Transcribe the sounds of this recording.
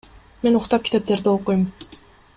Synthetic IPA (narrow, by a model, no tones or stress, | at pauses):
menuχt̪ɑp̚kʲi̥t̪e̞p̚t̪e̞ɾd̪ɪolˠqujm